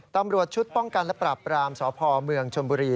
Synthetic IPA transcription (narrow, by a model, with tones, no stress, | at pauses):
t̪a˧mɾu˨˩ət̪̚t͡ɕʰu˦˥t̪̚pɔ˥˩ŋka˧nlɛ˦˥pɾaː˨˩pːɾaː˧msɔː˩˦pʰɔː˧mɯ˧əŋt͡ɕʰo˧nbuː˧ɾiː˧